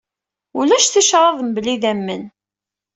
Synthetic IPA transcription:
ʊlæʃθiʃɾˤɑðˤmbəliðæmːən

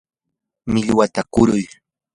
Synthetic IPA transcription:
mɪʎwat̪akʊɾʊj

